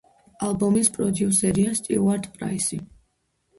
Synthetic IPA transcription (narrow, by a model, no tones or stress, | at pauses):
alˠbɔmispʼɾɔd̪iusɛɾiast̪ʼḭuaɾd̪pʼɾa̰isi